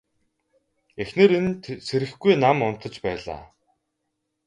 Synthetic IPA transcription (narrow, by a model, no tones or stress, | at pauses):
exneːɾenseɾɘ̆xɡujnamʊn̥t̪ə̆t͡ɕpæːɮa̰ː